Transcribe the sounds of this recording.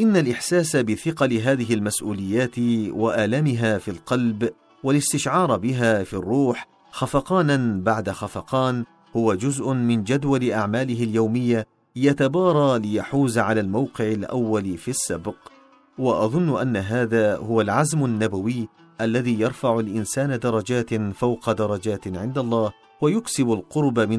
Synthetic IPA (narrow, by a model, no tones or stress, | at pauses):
ʔɪnːalʔɪħsaːsabɪθɪqɑlɪɦaːðɪɦɪlmasʔuːlɪjːaːt̪waʔaːlaːmɪɦaːfilqɑlb | walɪst̪ɪʃʕɑːɾˤɑbɪɦaːfirˤːuːħ | xafɑqɑːnabaʕd̪axafɑqɑːn | hʊwad͡ʒʊzʔʊmɪnd͡ʒad̪walʔaʕmaːlɪɦɪljawmɪjːa | jat̪abɑːɾˤɑːlɪjaħuːzaʕalaːlmawqɪʕalʔa̰wːalfisːabq | waʔɑðˤʊnːʔanːaɦaːðaːhʊwalʕazmʊnːabawɪjː | ʔalːaðiːjɑɾˤfaʕʊlʔɪnsaːnad̪ɑɾˤːɑd͡ʒaːt̪fawqɑd̪ɑɾˤɑd͡ʒaːt̪ʕɪnd̪alˤːɑːh | wajʊksɪbʊlqʊɾˤbamɪ